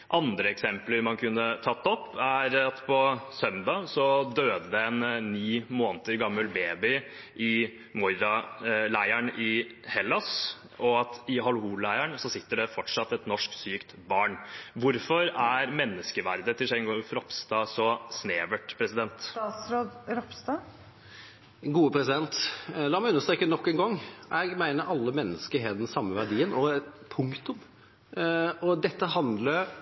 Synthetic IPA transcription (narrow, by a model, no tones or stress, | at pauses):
ʔɑnd̪ɾəɛksɛmpləɾmɑnkʰʉnːət̪ʰɑt̪ːɔpːæɾɑt̪pʰɔsœmd̪ɑsɔd̪øːd̪əd̪ɛɛnːiːmoːnt̪əɾɡɑmːəlbeːbɪ | ʔɪ | mʊɾɾɑlæɪæɳɪhɛlːɑs | ʔɔɑt̪ɪɦɑlhuːllæɪæɳsɔsɪt̪ːəɖɛfɔʈʂɑt̪ːɛt̪nɔʂksyːkt̪bɑːɳʋʊɾfɔɾæɾmɛnːəskəʋæ̰ɾd̪ət̪ʰɪlʂɛŋɡɔfɾɔpst̪ɑːsɔsneːʋəʈpʰɾɛsɪd̪ɛnt̪ɑt̪sɾoːd̪ɾɔpst̪ɑː | ɡuːəpʰɾɛsɪd̪ɛnt̪lɑːɾmæɪʉnːəʂt̪ɾɛkːənɔkːɛːnɡɔŋːʔɛɪɡmæɪnəɾʔɑlːəmɛnːəskəɾɦeːt̪d̪ɛnsɑmːəʋæɖiːənɔɛt̪pʰʊŋkt̪ʊm | ɔd̪ɛt̪ːəɦɑnd̪ləɾ